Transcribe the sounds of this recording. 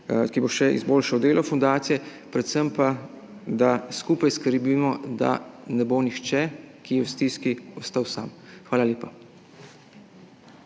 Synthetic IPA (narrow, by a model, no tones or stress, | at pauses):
kiboʃɛʔḭzboːlʃawd̪eːlʔɔfund̪aːt̪sijɛ | pɾɛt̪səmpa | d̪askuːpajskəɾbimɔd̪a̰nɛbonixt͡ʃɛkijɛwst̪iskiɔst̪awsaːm | xʋaːlaljeːpa